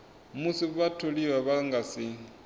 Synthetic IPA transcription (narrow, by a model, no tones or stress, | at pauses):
musiβatʰoliwaβaŋɡasi